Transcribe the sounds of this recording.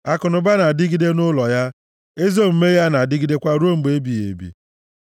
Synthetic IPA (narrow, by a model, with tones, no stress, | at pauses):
a˨kʊ˨nʊ˨ba˦na˨dɪ˦ɡi˦de˦nʊ˦lɔ˨ja˦ | e˦zo˦m̩˨me˦ja˦na˨dɪ˦ɡi˦de˦kʷa˦ɾo˦m̩˨ɡ͡be˦bi˨jḛ˨bḭ˨